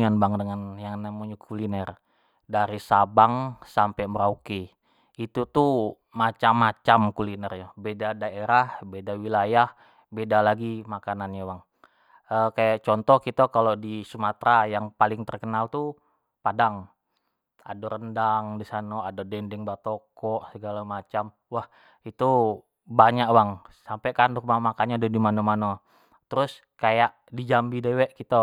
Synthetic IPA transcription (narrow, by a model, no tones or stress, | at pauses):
anbaŋdəŋanjaŋnamuɲakʰulinɛr | daɾisabaŋsampɛməɾauki | it̪ut̪u | mat͡ʃamːat͡ʃamkulinɛrɲabedadaeɾahbedawilajah | bedalaɡimakananɲawaŋ | əkajaʔt͡ʃɔnt̪ɔhkit̪akalodisumat̪ɾajaŋpalɪŋt̪ərkənalt̪u | padaŋ | a̰doɾəndaŋdisanoadadɛndɪŋbat̪okɔʔsəɡalamat͡ʃam | wah | it̪u | baɲaʔwaŋsampekanumamakanɲadudimanomano | t̪əɾʊs | kajaʔ | did͡ʒambidewɛʔkit̪a